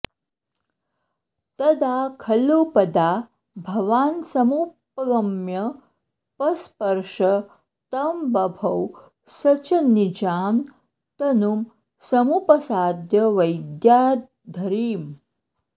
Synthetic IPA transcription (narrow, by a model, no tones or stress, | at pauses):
t̪ɐd̪akʰɐlupɐd̪a | bʱɐʋaːnsɐmupɡəmjɐ | pɐspəɾʂɐ | t̪ɐmbɐbʱɐw | sɐt͡ɕɐnid͡ʑaːn | t̪ɐnum | sɐmupəsaːd̪jɐʋɐjd̪ja | d̪ʱəɾiːm